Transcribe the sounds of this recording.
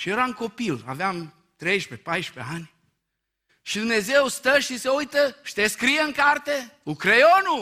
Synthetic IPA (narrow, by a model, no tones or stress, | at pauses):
ʃieɾaunko̞pila̰veam | t̪ɾejʃpepajʃpḛanʲ | ʃid̪umne̞zewst̪əʃiseujt̪əʃi̥t̪eskɾijeɨŋkart̪eukɾejonu